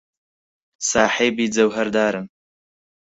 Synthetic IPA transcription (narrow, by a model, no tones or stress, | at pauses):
saːħeːbiːd͡zɐwɦɐɾd̪aːɾɨn